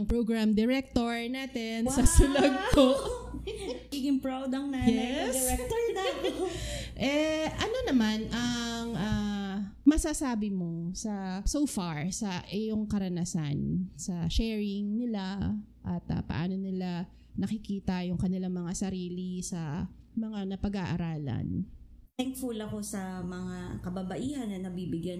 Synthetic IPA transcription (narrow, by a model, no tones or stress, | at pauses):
ɐŋpɹoɡɹamd̪ɛɾɛk̚t̪oɹnaːt̪ɛnsɐsʊlɐɡ̚t̪o | ɡiɡɪŋpɹawd̪ɐŋnajɛd̪ɛɾɛk̚t̪oɹa | ʔɛʔɐno̞nɐmanʔɐŋʔa | mɐsasaːbɪmo̞sɐsowfaɹsɐʔɛjoŋkɐɾɐnasansɐʃɛːɹɪŋnɪla | ʔɐt̪ɐ̰pɐ̰ʔa̰ːno̞nɪla | nɐkɪkiːt̪ɐjʊŋkɐnɪlaŋmɐŋasɐɾiːlisɐmɐŋanɐpɐɡaʔɐɾaːlɐ̰n | t̪ɛŋkfʊlɐko̞sɐmɐŋakɐbɐbɐʔiːhɐnːɐnɐbiːbɪɡjan